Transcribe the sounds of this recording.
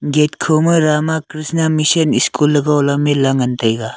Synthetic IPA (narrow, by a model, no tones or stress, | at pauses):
ɡetkʰomɯɾamakɾisnamisɐniskʰulːɐɡawlamelaŋɐntɐjɡa